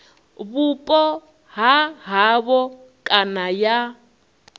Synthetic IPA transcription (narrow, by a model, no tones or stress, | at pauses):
βupʼɔ | ɦaɦaβɔ | kʼanaja